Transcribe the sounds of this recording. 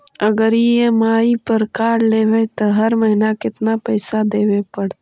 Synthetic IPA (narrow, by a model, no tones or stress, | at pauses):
ɐɡəɾjemaːipəɾkaːɾleːʋet̪oɦɐɾməɦɪnakɪt̪napɛɪsad̪eːwepɐɽ